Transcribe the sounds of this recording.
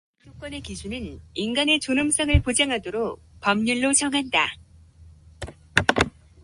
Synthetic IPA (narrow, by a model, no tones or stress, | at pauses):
t͈ʰok͈wʌne̞kisʰunɯninɡane̞t͡ɕonɯms͈ʰaŋɯɭpod͡ʑaŋɦadoɾok̚ | pʌmɲuɭːot͡ɕʌŋɦanda